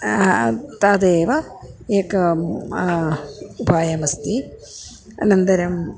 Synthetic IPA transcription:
t̪aːd̪eːʋɐeːkɐ | ubʱaːjɐmɐst̪i | ɐ̰nɐnd̪ɐɾɐm

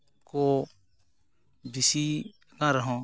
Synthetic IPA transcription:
ko | d̪ɪsi | kãɾəɦõ

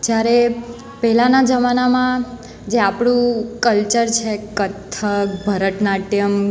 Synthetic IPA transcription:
d͡ʒjaɾe | pɛɦlanad͡ʒəmanamã | d͡ʒeapɽ̃ũkəlt͡ʃəɾt͡ʃʰekət̪ʰːəkbʱəɾəʈnaʈjəm

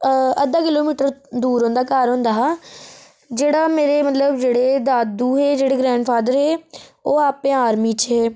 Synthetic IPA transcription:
əd̪aːkɪloːmiːʈəɾd̪uːɾɦõːnd̪aːkaːɾɦʊ̃nd̪aː | d͡ʒeːɽaːmeːɾeːmət̪ləbd͡ʒeːɽeːd̪aːd̪uːɦeːd͡ʒeːɽeːɡɾɛ̃ːɳɖpʰaːd̪əɾɦeːoːaːpẽːaːɾmiːt͡ʃɦeː

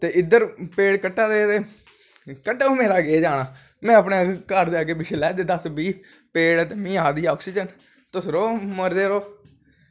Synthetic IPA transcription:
t̪eːɪd̪əɾpeːɽkəʈːaːd̪eːt̪eː | kəʈːaoːmeːɾaːɡeːd͡ʒaːɽaː | mɛ̃ːəpneːkəɾd̪eaːkeːbɪʃlɛːd̪eːd̪əsbiː | peːɽt̪eːmĩːaːd̪iːɔːksid͡ʒən | t̪ʊsɾoːməɾd̪eːɾoː

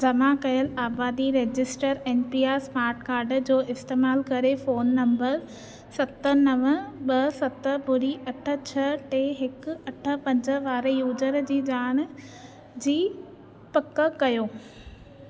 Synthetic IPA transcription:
d͡ʑɐmakɐjəlaːbaːd̪iɾeːd͡ʑɪsʈəɾeːnpiːaːsmaːɾʈkaːɾɖd͡ʑoːɪst̪eːmaːlkɐɾefoːnːɐ̃mbəɾ | sɐt̪ənɐʋəɓɐsɐt̪ə̆bʊɾiɐʈʰə̆t͡ɕʰɐʈeːɦɪkʊɐʈʰə̆pɐ̃ɲd͡ʑə̆ʋaːɾjuːd͡ʑəɾd͡ʑiːd͡ʑaːɽ̃ | d͡ʑiː | pɐkːə̆kɐjoː

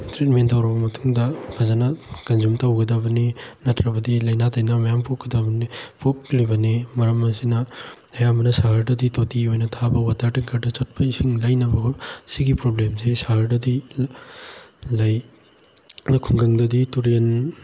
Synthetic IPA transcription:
tɾet̚mentawɾɐbɐmɐtʰuŋdɐkʰazanɐkɐnzumtawɡɐdabɐninɐtʰɾɐbɐdilɐjnatʰajnamɐjampʰuk̚ɡɐdabɐnipʰuk̚libɐnimɐɾɐmːɐsinɐ | ajamɐnɐsaɦɐɾdɐditotiojnɐtʰabɐwatʰaɾtiŋkʰaɾdɐt͡ʃat̚pʰɐisiŋlajnɐbɐɡosiɡipɾoblemsesaɦɐɾdɐdi | laj | kʰuŋɡɐŋdɐdituɾen

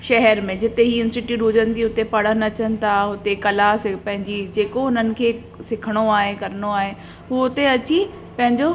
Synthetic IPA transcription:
ʃɛɦɛɾmẽd͡ʑɪt̪eɦiɪnsʈɪʈiɗoːd͡ʑənɪt̪ʰiʊt̪epɐɽ̤ənɐt͡ɕənɪ̆t̪ʰaɦʊt̪ekɐlasɪpɐ̃ɦɪ̃ɲd͡ʑid͡ʑeːkoʊnənɪ̆kʰeː | sɪkʰəɽ̃oaːɦekɐɾəñoaːɦe | ɦuːʊt̪eɐt͡ɕi | pɐ̃ɦɪ̃ɲd͡ʑo

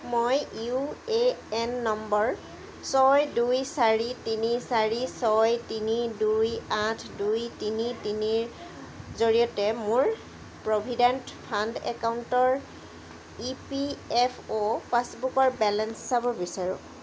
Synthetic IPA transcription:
mojueɛnːɔmbɔɹ | sɔjdujsaɹitinisaɹisɔjtinidujatʰdujtinitiniɹ | zoɹijɔtɛmʊɹ | pɹobʱidɛntpʰandɛ̰kawʊntɔɹ | ipiɛpʰopasbukɔɹbɛlɛnsːabɔbisaɹṵ̃

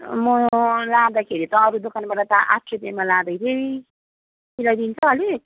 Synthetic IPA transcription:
mʌlad̪akʰeɾit̪ʌːɾud̪okʰanbaʈat̪aʔa̰tʰɾep̪emalad̪ʌjt̪ʰei | milajd̪int͡sʰʌɦʌle

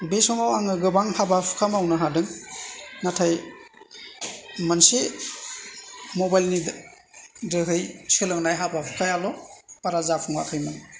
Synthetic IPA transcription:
besɔŋawaŋɯɡɯbaŋhabapʰkʰamawnɯɦadɯŋ | natʰaj | manse | mɔbajlnid | dɯɦɯjt͡ʃɯlɯŋnajɦabapʰkʰajalɔpaɾazapʰɯŋwa̰kʰɯjmaŋ

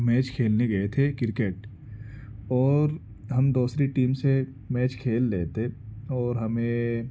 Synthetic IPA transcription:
mɛːt͡ʃkʰeːlneɡɐet̪ʰekɪɾkeʈ | ɔːɾ | ɦɐmd̪oːsɾeʈiːmse | mɛːt͡ʃkʰeːlːeːt̪eɔːɾɦɐmẽ

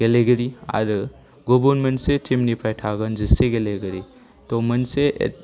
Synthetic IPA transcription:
ɡeleɡɐɾia̰ɾɯ | ɡobunmɐnsetʰimnipʰajtʰaɡɐnziseɡeleɡɐɾi | tɔmɐnsḛ

